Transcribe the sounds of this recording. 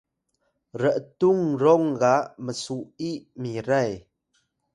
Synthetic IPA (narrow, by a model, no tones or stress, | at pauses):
ɾəʔt̪uŋɾɔŋɡaʔməsuʔiʔmiɾaj